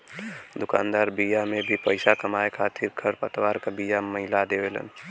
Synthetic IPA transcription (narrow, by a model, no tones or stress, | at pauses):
d̪ʊka̰ːnd̪aɾbijamebʱipəɪsakəmaekʰat̪ʰiɾkʰəɾpət̪waɾkəbijaməɦɪlad̪ebelə̰n